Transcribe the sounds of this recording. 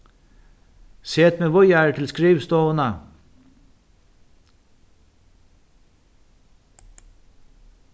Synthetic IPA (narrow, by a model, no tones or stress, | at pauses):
seːt̪meːʋʊjaɹt̪ʰɪlskɾiːʋst̪ɔːənə